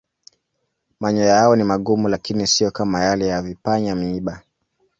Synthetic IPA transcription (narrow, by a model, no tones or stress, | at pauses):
maɲɔjaɔnimaɠumulakinisijɔkamajalɛjavipaɲam̩iɓa